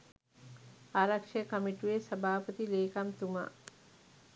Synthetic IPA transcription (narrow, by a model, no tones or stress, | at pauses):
aːɾakʂəjkəmiʈuʋesɐbʱaːpət̪ileːkamt̪uma̰